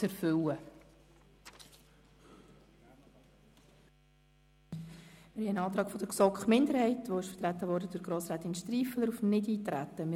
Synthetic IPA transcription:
ɛɾfʏlə | mɪɾhɛənɑːt̪ɾɑːɡfɔd̥̪əksɔkχmɪndəɾhɛɪtʋoɪʃfəɾtɾæt̪ːəvɔɾdəd̥ʊɡ̥ɾoːsɾæːt̪ɪnʃtɾiːfələɾufmnɪdiːtɾæ̰tːəmɪ

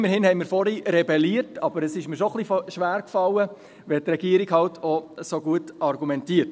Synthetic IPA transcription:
məɾhɪnhɛɪmiːɾfɔɾiɾɛbɛliətɑb̥əɾəsɪʃmiːɾʃoχlifʃʋæːɾkfɑlːə | ʋɛtrɛɡ̥iəɾiɡhɑltʰosoɡuətɑɾɡumɛntiəɾt

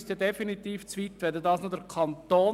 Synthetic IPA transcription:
st̪edefinit̪iːft͡sʋit̪ʋɛdudɑːsnodɛɾkʰɑnt̪oː

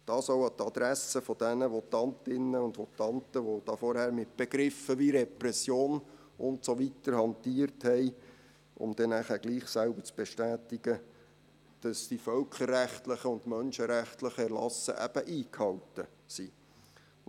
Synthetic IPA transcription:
d̥ɑːsowɑt̪ɑd̥̪ɾæsəfɔd̥ɛnəʋɔt̪ɑntɪnːəʊndʋɔt̪ɑntəʋod̥̪ɑːfɔɾhæːɾmɪt̚b̥eɡ̥ɾɪfəʋiɾɛpɾɛsjoːn | ʊntsoʋitəɾhɑntiːəɾthɛɪ | ʔʊ̰md̥̪ɛnæχæːɡ̥liːχsælbət͡sb̥ɛʃtæːtɪɡ̥ə | d̥ɑsd̥ifœlkχərːæχtləχəʊntmœnʃəɾæχtləχəɛɾlɑ̰sə̰ʔæb̥əʔiːkhɑltə | si

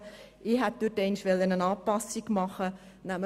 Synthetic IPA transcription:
ɪɦɛt̚d̥̪ytɛɪnʃʋɛlːənənɑːpɑsiɡmɑχə | næm

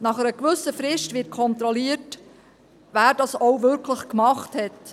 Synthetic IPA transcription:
nɑχəɾəkʋɵsəfɾɪʃtʋɪt̚kʰɔnt̪ɾɔliət | ʋæːɾdɑsowʋʏɾkʰləχkmɑχthɛt

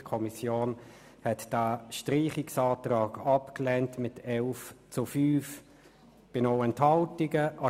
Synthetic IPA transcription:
kʰɔmisjoːn | hɛtd̥aʃtʁiːχɪksɑːtrɑːɡɑpklɛntmɪtʰɛlft͡sʊfyːf | b̥ɪnoʊɛnthɑltɪɡəʔɑ

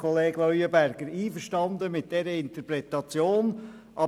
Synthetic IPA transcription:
ɔleːɡlɔyəbæɾɡ̥əɾiːfəʃtɑnd̪əmɪt̚d̥ɛɾəɪnt̪əpɾɛt̪ɑt͡sjoːn | ʔɑ

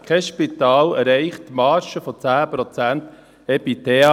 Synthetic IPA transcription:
kʰɛʃpitɑːlɛɾɛɪχttːmɑːʃəfɔt͡sæːpɾɔt͡sænt | ɛpiteɑ

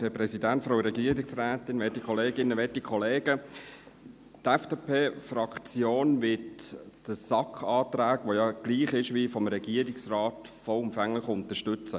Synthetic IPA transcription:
ɛpɾɛsidæntfɾaʊɾɛɡiːɾɪksrɛːtɪnʋɛtːikʰχɔleːɡɪnːəʋɛtikʰɔleːɡ̥ə | tɛfd̥eːpʰeːfɾɑkt͡sjoːnʋɪtd̥əsɑkχɑːtɾæːɡ̥ʋojɑɡ̥liːχɪʃʋifɔmɾɛɡ̥iːəɾɪksrɑːt | fɔʊmfæŋlɪχʊntəʃtʏt͡sə

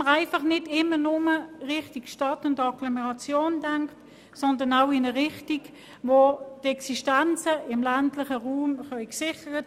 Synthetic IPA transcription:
əʁaɪfɑχnɪdɪmːənʊməʁɪχtikʃtɑtʊndɑɡlomɛʁɑt͡sjoːndaŋkt | sɔndənaʊɪnəʁɪχtik | votɛksiʃtant͡səɪmlantlɪχəʁuːmχœʏksɪχəʁət

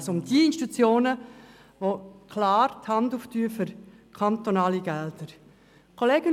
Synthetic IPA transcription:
sʊmd̥iɪnʃtut͡sjoːnə | ʋokʰlɑːɾthɑnduːftyːfʏɾ | kʰant̪onɑːliɡɛldəɾ | kʰoleːɡ̥ən

